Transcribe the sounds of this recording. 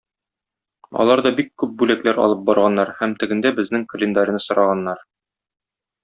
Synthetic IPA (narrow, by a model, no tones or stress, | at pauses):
ɒ̰lˠɑɾd̪ɒbikːʉp̚bʉlæklæɾɒ̰lˠɤp̚bɒɾʁɑnːɑɾhæmt̪ɘ̆ɡɘ̆nd̪æbɘ̆znɘŋkə̆lʲɪnd̪aɾʲɪ̆nɤsŏɾɑʁɑnːɑɾ